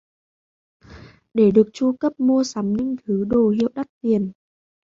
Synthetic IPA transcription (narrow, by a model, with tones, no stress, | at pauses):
ɗe˧˩ɗɨ˨˩ək̚t͡ɕu˧kə˦˥p̚mu˧əsa˨˦mɲɨ̰˧˥ŋt̪ʰɨ˨˦ɗo˨˩hḭ˧˨ə˨wɗa˦˥t̚t̪i˨˩ən